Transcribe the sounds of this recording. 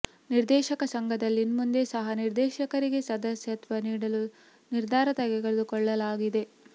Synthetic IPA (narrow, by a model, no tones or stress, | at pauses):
niɾd̪ɛːʃɐkɐsɐŋɡʱɐd̪ɐlːinmund̪e̞sɐɦɐniɾd̪ɛːʃɐkɐɾiɡe̞sɐd̪ɐsjɐt̪ʋɐniːɽɐlu | niɾd̪ʱaːɾɐt̪ɐɡeɡɐɭed̪ukɔɭːɐlaːɡid̪e̞